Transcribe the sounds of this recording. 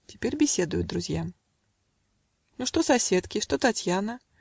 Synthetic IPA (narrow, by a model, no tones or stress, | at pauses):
tʲɪ̥pʲerʲbʲɪsʲed̪ʊjʊd̪d̪ɾʊzʲjam | nuʂt̪osɐsʲet̪kʲɪʂt̪ot̪atʲjanə